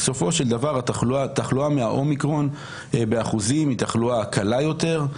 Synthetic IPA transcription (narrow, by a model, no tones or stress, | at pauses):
so̞fo̞ʃe̞ld̪avaʁat̪aat̪aχluameaʔo̞mikʁo̞n | beaχuzimit̪aχluakalajo̞t̪e̞ʁ